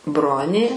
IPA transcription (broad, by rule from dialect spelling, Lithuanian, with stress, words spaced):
ˈbroːnʲeː